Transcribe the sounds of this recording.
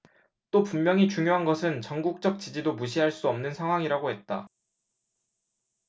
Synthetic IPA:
t͈opummːjʌŋit͡ɕuŋjoɦanɡʌsʰɯnt͡ɕʌŋɡuk̚t͡ɕ͈ʌk̚t͡ɕ͈id͡ʑidomuɕ̬ʰiɦaɭs͈uʌmnɯnsʰaŋɦwaŋiɾaɡoɦe̞t̚t͈a̰

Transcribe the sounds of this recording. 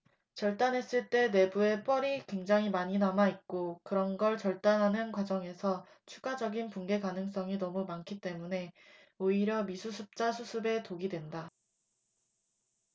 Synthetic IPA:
t͡ɕʌɭt͈anɦe̞s͈ɯɭt͈e̞ne̞bue̞p͈ʌɾikwe̞ŋd͡ʑaŋɦimaɲinamait̚k͈okɯɾʌnɡʌɭt͡ɕʌɭt͈anɦanɯnkwad͡ʑʌŋe̞sʰʌ | t͡ɕʰuɡad͡ʑʌɡinpunɡe̞kanɯŋs̬͈ʌŋinʌmumankʰit͈e̞mune̞ | oiɾjʌmisʰusʰɯp̚t͡ɕ͈asʰusʰɯbe̞toɡidwe̞nda

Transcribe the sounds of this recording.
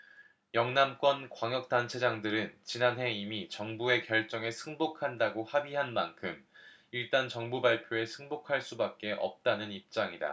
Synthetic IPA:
jʌŋnamk͈wʌnkwaŋjʌk̚t͈ant͡ɕʰe̞d͡ʑaŋdɯɾɯnt͡ɕinanɦe̞imit͡ɕʌŋbue̞kjʌɭt͡ɕ͈ʌŋe̞sʰɯŋbokʰandaɡohabiɦanmankʰɯmiɭt͈ant͡ɕʌŋbubaɭpʰjoe̞sʰɯŋbokʰaɭs͈ubak̚k͈e̞ʔʌ̰p̚t͈anɯnip̚t͡ɕ͈aŋida̰

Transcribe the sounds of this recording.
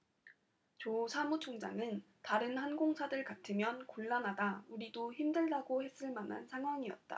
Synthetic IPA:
t͡ɕosʰamut͡ɕʰoŋd͡ʑa̰ŋɯn | taɾɯnhanɡoŋsʰadɯɭkatʰɯmjʌnkoɭːanɦadauɾidoçimdɯɭdaɡohe̞s͈ɯɭmanɦa̰nsʰaŋɦwaŋiʌ̰t̚t͈a̰

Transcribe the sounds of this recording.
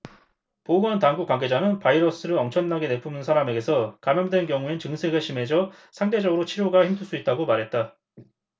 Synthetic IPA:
poɡʌntaŋɡuk͈waŋɡe̞d͡ʑanɯnpaiɾʌs͈ɯɾɯʌmt͡ɕʰʌnːaɡe̞ne̞pʰumnɯnsʰaɾame̞ɡe̞sʰʌkamjʌŋdwe̞nkjʌŋuent͡ɕɯŋsʰe̞ɡɯɭɕʰime̞d͡ʑʌ | sʰaŋde̞d͡ʑʌɡɯɾot͡ɕʰiɾjoɡaçimtʰuɭs͈uit̚t͈aɡomaɾɦe̞t̚t͈a

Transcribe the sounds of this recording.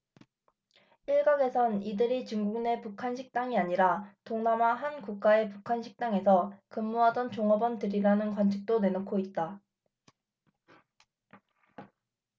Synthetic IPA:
iɭɡaɡe̞sʰʌnidɯɾit͡ɕuŋɡuɡne̞pukʰanɕʰik̚t͈aŋiaɲiɾatoŋnamaɦankuk̚k͈ae̞pukʰanɕʰik̚t͈aŋe̞sʰʌkɯmːuɦadʌnt͡ɕoŋʌbʌntɯɾiɾanɯnkwant͡ɕʰi̥k̚t͈one̞nokʰoit̚t͈a

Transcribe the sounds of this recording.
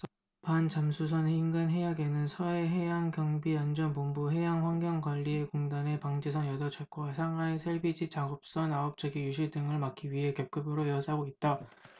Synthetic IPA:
pant͡ɕamsʰusʰʌneinɡɯnɦe̞jaɡe̞nɯnsʰʌe̞ɦe̞jaŋkjʌŋbiand͡ʑʌnpombuɦe̞jaŋɸwaŋɡjʌŋkwaʎːie̞koŋdane̞paŋd͡ʑesʰʌnjʌdʌt͡ɕʰʌɭk͈oasʰaŋaesʰeɭbid͡ʑit͡ɕaɡʌp̚s͈ʌnaʌp̚t͡ɕ͈ʌɡijuɕʰiɭdɯŋɯɭmak͈iɥiɦe̞kjʌp̚k͈ɯbɯɾojʌs͈aɡoit̚t͈a

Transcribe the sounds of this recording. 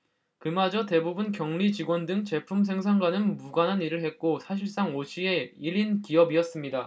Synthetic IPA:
kɯmad͡ʑʌte̞bubunkjʌŋɭit͡ɕiɡwʌndɯŋt͡ɕe̞pʰums̬ʰe̞ŋs̬ʰaŋɡwanɯnmuɡanɦaniɾɯɭɦe̞t̚k͈osʰaɕ̬ʰiɭs͈aŋoɕʰieiɾinkiʌbiʌs͈ɯmɲida

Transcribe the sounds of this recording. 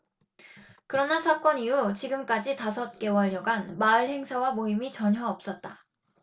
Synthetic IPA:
kɯɾʌnasʰak͈ʌnijut͡ɕiɡɯmk͈ad͡ʑitasʰʌt̚k͈e̞wʌʎːʌɡanmaɯɭhe̞ŋsʰawamoimit͡ɕʌɲɦjʌʌp̚s͈ʌt̚t͈a

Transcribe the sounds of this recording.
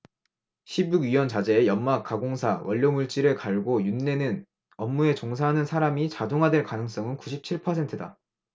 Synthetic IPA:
ɕʰibjuɡɥiwʌnt͡ɕad͡ʑe̞ːjʌmmak͈aɡoŋsʰawʌʎːʌmuɭt͡ɕ͈iɾɯɭkaɭɡojunːe̞nɯn | ʌmːue̞t͡ɕoŋsʰaɦanɯnsʰaɾamit͡ɕadoŋɦadwe̞ɭkanɯŋs͈ʌŋɯnkuɕʰip̚t͡ɕʰiɭpʰʌsʰe̞ntʰɯda̰

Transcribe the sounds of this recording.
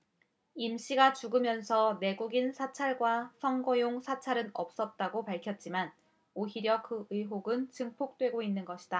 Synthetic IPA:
imɕ͈iɡat͡ɕuɡɯmjʌnsʰʌne̞ɡuɡinsʰat͡ɕʰaɭɡwasʰʌŋɡʌjoŋsʰat͡ɕʰaɾɯnʌ̰p̚s͈ʌt̚t͈aɡopaɭkʰjʌt̚t͡ɕ͈iman | oɦiɾjʌkɯɯiɦoɡɯnt͡ɕɯŋpʰok̚t͈we̞ɡoinːɯnɡʌɕʰi̥d̥a

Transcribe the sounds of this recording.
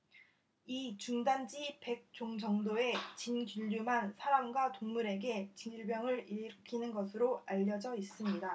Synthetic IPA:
it͡ɕuŋdand͡ʑipe̞k̚t͡ɕ͈oŋd͡ʑʌŋdoe̞t͡ɕinɡuʎːumansʰaɾamɡwatoŋmuɾe̞ɡe̞t͡ɕiniɭbjʌŋɯɾikʰinɯnɡʌsʰɯɾoaʎːʌd͡ʑʌis͈ɯmɲida

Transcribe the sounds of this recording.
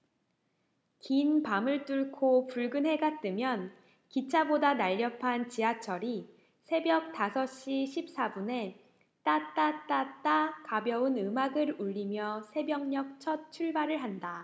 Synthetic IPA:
kinpamɯɭt͈uɭkʰopuɭɡɯnɦe̞ɡat̚t͈ɯmjʌn | kit͡ɕʰabodanaʎːʌpʰant͡ɕiat͡ɕʰʌɾi | sʰe̞bjʌk̚tasʰʌɕ͈iɕʰip̚s͈abune̞ | t͈at͈at͈at͈akabjʌunɯmaɡɯɾuʎːimjʌsʰe̞bjʌŋɲʌk̚t͡ɕʰʌt̚t͡ɕʰuɭbaɾɯɭɦanda

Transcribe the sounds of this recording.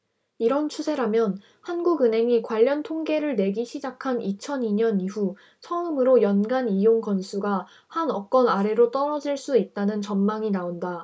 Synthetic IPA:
iɾʌnt͡ɕʰusʰe̞ɾamjʌn | hanɡuɡɯnɦe̞ŋikwaʎːʌntʰoŋɡe̞ɾɯɭne̞ɡiɕʰid͡ʑakʰanit͡ɕʰʌniɲʌniɸu | sʰʌɯmɯɾojʌnɡanijoŋkʌnsʰuɡa | hanʌk͈ʌnaɾe̞ɾot͈ʌɾʌd͡ʑiɭs͈uit̚t͈anɯnt͡ɕʌnmaŋinaonda

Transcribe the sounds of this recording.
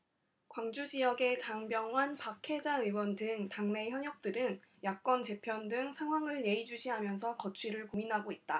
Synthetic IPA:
kwaŋd͡ʑud͡ʑijʌɡe̞t͡ɕaŋbjʌŋɦwanpakʰe̞d͡ʑaɯwʌndɯŋtaŋne̞çjʌɲjʌk̚t͈ɯɾɯŋjak̚k͈ʌnt͡ɕe̞pʰjʌndɯŋsʰaŋwaŋɯɭne̞id͡ʑuɕʰiɦamjʌns̬ʰʌkʌt͡ɕʰiɾɯɭkominɦaɡoit̚t͈a

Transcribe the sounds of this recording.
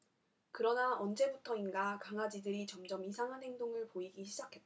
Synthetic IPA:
kɯɾʌnaʔʌnd͡ʑe̞butʰʌinɡakaŋad͡ʑidɯɾit͡ɕʌmd͡ʑʌmisʰaŋɦanɦe̞ŋdoŋɯɭpoiɡiɕʰid͡ʑakʰe̞t͈̚

